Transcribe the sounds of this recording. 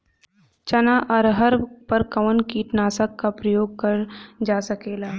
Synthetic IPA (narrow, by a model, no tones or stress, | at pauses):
t͡ʃɐnaʔɔɾɦɐɾpɐɾkɐʋənkiːʈnaːsəkːapɾəjoːɡ̚kɐɾd͡ʒaːsɐkeːlaː